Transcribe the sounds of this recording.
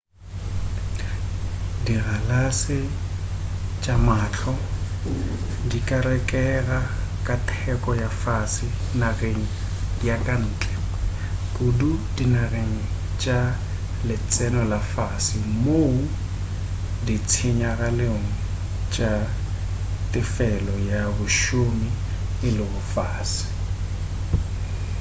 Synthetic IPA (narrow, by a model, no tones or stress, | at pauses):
diɣalasɪ | t͡ʃʼamaːt͡ɬʰɔ | dikʼaɾɛkʼɛɣakʼatʰɛkʼɔjafasɪ | naɣeŋ̩ | jakʼan̩ːt͡ɬʼɛ | kʼʊdudinaɣeŋ̩ | t͡ʃʼa | lɪt͡sʼɛnɔlafasɪmou | dit͡sʰɪɲaɣaleŋ̩ | t͡ʃʼa | tʼɪfɛlɔjabʊʃomi | ɪlɪbʊfaːsɪ̥